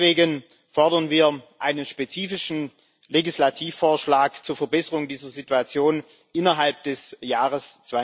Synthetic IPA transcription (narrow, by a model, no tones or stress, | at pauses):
v̥eːɡən | fɔɐdɐnviːɐʔaɪnənʃpet͡siːfɪʃn̩ | leɡislatʰiːfːoːɐʃlaːkt͡suːɐfɛɐbɛsəʁʊŋdiːzɐzituat͡sjoːn | ʔɪnɐɦalp̚d̥ɛsjaːʁəst͡sv̥a